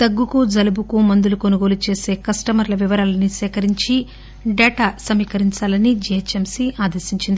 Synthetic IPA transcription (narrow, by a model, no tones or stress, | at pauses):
t̪ɐɡːukud͡ʒɐlɐbukumɐnd̪ulukonuɡo̞ːlut͡ʃe̞ːse̞ːkɐsʈɐmɐɾlɐʋiʋɐɾaːlɐnisɛːkɐɾiɲt͡ʃi | ɖɛːʈaːsɐmiːkɐɾiɲt͡ʃaːlɐnid͡ʒɛjet͡ʃemsiaːd̪ɐɾʃiɲt͡ʃind̪ii